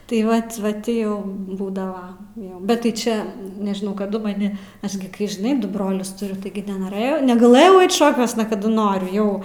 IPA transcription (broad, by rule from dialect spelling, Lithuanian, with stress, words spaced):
tɐɪ ˈʋɐt ʋɐ ˈtʲiː jɛʊ ˈbuːdɐʋɐ ˈjoː bʲɛt tɐɪ ˈt͡ʃʲɛ nʲɛʒʲɪˈnɐʊ kɐˈdʊ mɐˈnʲɪ ˈɐʃ ɡʲɪ kɐɪ ʒʲɪˈnɐɪ ˈdʊ ˈbroːlʲʊs tʊˈrʲʊ ˈtɐɪɡʲɪ nʲɛnoːˈrɘjɛʊ nʲɛɡɐˈlˠɘjɛʊ ˈɐɪt ˈʃoːkʲuɔsnɐ kɐˈdʊ ˈnoːrʲʊ ˈjɛʊ